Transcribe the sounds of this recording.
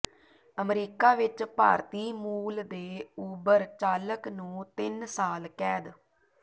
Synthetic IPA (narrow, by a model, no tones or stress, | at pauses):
əmɾiːkaːʋɪt͡ʃpa̰ːɾt̪iːmuːld̪eːuːbəɾt͡ʃaːləknũːt̪ɪnsaːlkɛːd̪